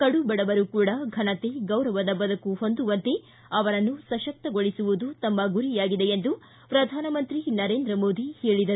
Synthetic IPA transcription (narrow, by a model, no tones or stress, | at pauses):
kɐɽubɐɽɐʋɐɾukuːɽɐɡʱɐɳɐt̪eɡɐwɾɐʋɐd̪ɐbɐd̪ɐkuɦo̞nd̪uʋɐnt̪e | ɐʋɐɾɐnːusɐʃɐk̚t̪ɐɡoɭisuʋud̪ut̪ɐmːɐɡuɾijaːɡid̪ejend̪u | pɾɐd̪ʱaːnɐmɐnt̪ɾinɐɾe̞ːnd̪ɾɐmoːd̪ihe̞ːɭid̪ɐɾu